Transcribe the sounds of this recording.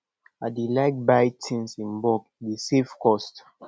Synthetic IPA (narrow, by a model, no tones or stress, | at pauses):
adilaɪk̚bajtʰĩnsĩnbɔkdisefkɔst